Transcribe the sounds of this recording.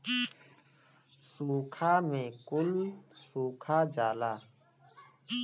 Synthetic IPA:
suːkʰaːmẽːkʊlsuːkʰaːd͡ʒaːlaː

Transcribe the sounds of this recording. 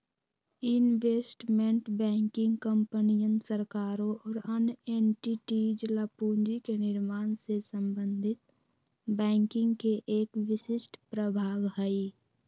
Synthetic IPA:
ɪnʋesʈmẽɳʈbɛ̃ːŋkɪ̃ŋɡkəmpənijənsəɾkaːɾoʔɔːɾəneɳʈiʈid͡ʒlapuːnd͡ʒikenɪɾmaːnsesəmbənd̪ʱɪt̪̚ | bɛ̃ːŋkɪ̃ŋɡkeʔeːkʋɪʃɪsʈʰpɾəbʱaːɡɦəi

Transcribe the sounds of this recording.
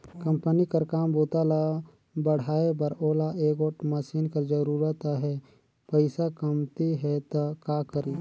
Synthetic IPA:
kɐ̃mpənikəɾkaːmboːt̪ala | bəɽ̤aːebəɾoːlaʔeːkoːʈməsiːnkəɾd͡ʒəɾuːɾət̪aɦɛ | pəɪsakəmt̪iɦɛt̪akaːkəɾiː

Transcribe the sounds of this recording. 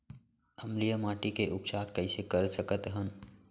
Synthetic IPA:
əmlijəmaːʈikeʔʊpt͡ʃaːɾkəɪsekəɾsəkət̪ɦən

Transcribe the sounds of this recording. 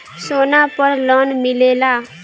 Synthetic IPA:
sonapəɾlɔnmilela

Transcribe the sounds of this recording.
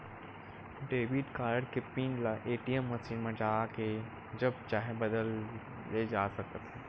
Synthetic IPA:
ɖeːʋiɖkaːɾəɖ̚kepiːnlaʔeːʈijəmːɐsiːnmẽd͡ʒaːke | d͡ʒɐb̚t͡ʃaːɦebɐd̪əlː | ed͡ʒaːsɐk̪ət̪ɦɛː

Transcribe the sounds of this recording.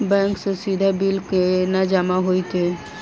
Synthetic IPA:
bɛ̃ŋksɔsid̪ʱabilkenad͡ʒamaɦojt̪e

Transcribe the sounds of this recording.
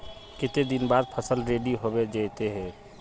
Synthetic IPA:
kɪt̪ed̪inbad̪̚pʰəsəlɾeɖiɦobed͡ʒəjt̪eɦɛ

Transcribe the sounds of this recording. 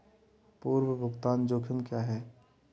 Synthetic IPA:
puːɾwəbʱʊɡt̪aːnd͡ʒoːkʰɪmkjaːɦɛː

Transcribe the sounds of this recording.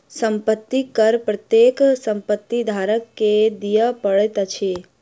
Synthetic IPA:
səmpət̪ːikəɾpɾət̪jeːksə̃mpət̪ːid̪ʱaːɾəkːed̪ijəpəɭet̪t͡ʃʰe

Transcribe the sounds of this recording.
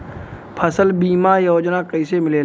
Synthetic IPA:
pʰəsəlbiːmajoːd͡ʒnakəɪsemɪleː

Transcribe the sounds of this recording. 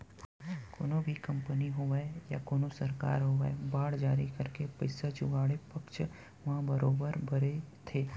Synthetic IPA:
ko̰ːnõbʱikɐ̃mpəniɦoʋaejakoːnosɐɾka̰ːɾɦoːʋaebaːɽd͡ʒaːɾikɐɾkepɐɪsad͡ʒʊɡaːɽepɐkʃ | ʋɐɦãbəɾoːbəɾbʱɐɾet̪ʰeː

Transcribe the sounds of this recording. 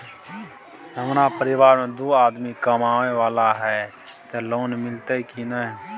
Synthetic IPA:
ɦəmɾapəɾɪʋaːɾmẽd̪oːaːd̪mikəmaːʋeʋaːlaɦɛ | t̪eloːnmɪlt̪ekinəɦ

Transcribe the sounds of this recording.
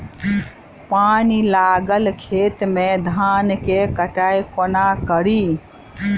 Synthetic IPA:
panilaːɡəlkʰeːt̪mẽd̪ʱankekəʈajkonakəɾi

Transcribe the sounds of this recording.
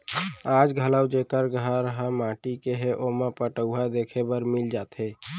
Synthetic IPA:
ad͡ʒɡʱələwd͡ʒekəɾɡʱəɾɦəmaʈikeɦeʔomepəʈəwɦad̪ekʰebəɾmild͡ʒat̪ɦe

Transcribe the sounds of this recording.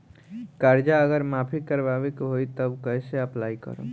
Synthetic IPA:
kaɾd͡ʒaəɡəɾmapʰikəɾbaʋikɦoit̪əbkəɦseəplaikə̰ɾo̰

